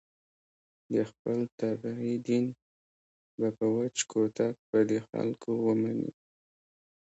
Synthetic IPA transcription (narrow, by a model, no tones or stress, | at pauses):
d̪əxpəlt̪abahid̪in | bapəwat͡ʃkot̪ak̚pəd̪exa̰lkʰowəmanḭ